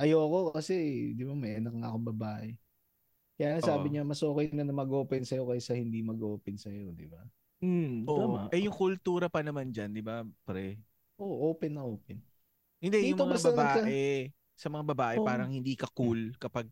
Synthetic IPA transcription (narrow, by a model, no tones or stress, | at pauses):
ʔɐjoɐko̞kɐsɛd̪ɪbamɐjʔɛːnɐkŋaɐkoŋbɐbaːʔɛ | kɐjaːnɐsaːbɪɲamɐsʔo̞ːkɛjnɐnɐmɐɡʔo̞ːpɛnsɐjo̞kɐjsɐhɪnd̪imɐɡʔo̞ːpɛnsɐjo̞d̪ɪba | m̩oʔɛjʊŋkʊlt̪uːɾɐpɐnɐmand͡ʒɐnd̪ɪbapɐɾɛ | ʔoʔoːpɛnːɐʔoːpɛn | hɪnd̪ɛʊŋmoɐŋabɐbɐaːʔɛ | sɐmɐŋabɐbaːʔɛpaːɾɐŋhɪnd̪iːkɐkulkɐpaɡ̚